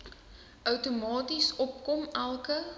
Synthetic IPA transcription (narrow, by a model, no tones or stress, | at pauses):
ʔœwtomɑːtisɔp̚kɔmælˠkə